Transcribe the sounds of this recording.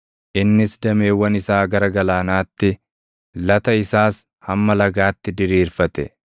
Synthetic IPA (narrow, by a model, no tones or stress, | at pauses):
ʔɪnːɪsd̪ɐme̞ːwːɐnɪsaːɡɐɾɐɡɐlaːnaːt̪ːɪ | lɐt̪ɐɪsaːs | hɐmːɐlɐɡaːt̪ːɪd̪ɪɾiːɾfɐt̪ɛ̰